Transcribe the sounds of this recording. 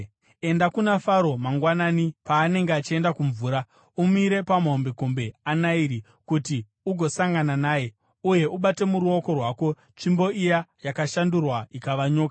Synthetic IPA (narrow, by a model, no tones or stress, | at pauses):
e̞ndakunafaɾo̞maŋɡwananipaːne̞ŋɡeat͡ʃie̞ndakuɱvuːɾa | umiɾe̞pamaombekombe̞anaiɾi | kuti | uɡʱo̞saŋɡananaːje̞ | uje̞ʔuɓate̞muɾuo̞ko̞rwaːko̞ | t͡ʃimbo̞ijajakaʃandurwaikaʋaɲo̞ːkḁ